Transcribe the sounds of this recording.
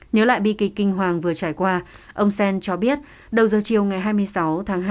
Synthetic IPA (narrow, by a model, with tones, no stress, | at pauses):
ɲəː˨˦la̰ː˧˨jɓi˧kï˨˩k̚kːï˧ŋ̟ɦwaː˨˩ŋvɨ˨˩ət͡ɕaː˧˩jkwaː˧ | ʔə˧wŋ͡msɛ˧nt͡ɕɔ˧ɓi˦˥ət̚ | ɗə˨˩wzəː˨˩t͡ɕi˨˩əwŋa˨˩jɦaː˧jmɨ˧əjsa˨˦wt̪ʰaː˨˦ŋɦa˧